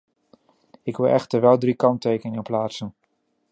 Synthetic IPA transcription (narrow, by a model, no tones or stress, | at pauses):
ɪkʋɪlˠʔɛxtəɹʋɛlˠdrikɑntejkəɪnywplaːtsən